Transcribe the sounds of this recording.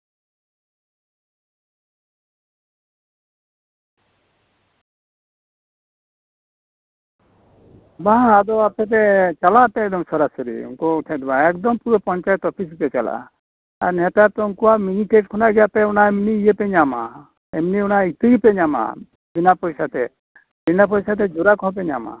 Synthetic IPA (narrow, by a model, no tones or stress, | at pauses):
baɦãad̪ɔapɛt̪̬ɛt͡ʃalap̪ɛɛk̚d̪ɔmsɔɾasɔɾḭṵŋkɔuʈʰɛd̪baɛkd̪ɔmpuɾɔpɔɲt͡ʃajɛt̪ɔpʰisipɛt͡ʃala̰ | a̰ɾnɛt̪at̪ɔunkuwamiŋikeʈkʰɔnaɡɛjapɛunaɛmniijepɛɲama̰ | ɛmniunait̪iɡipɛɲama̰ | binapɔjsat̪ɛ | binap̬ɔjsat̪̬ɛd͡ʒuɾakɔ̃p̬ɛɲama̰